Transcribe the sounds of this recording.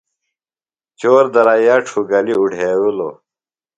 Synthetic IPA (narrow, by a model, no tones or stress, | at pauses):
t͡ɕoːɾd̪ɐɾaːjaːʈʰuɡɐliuɖʱeːwulo̰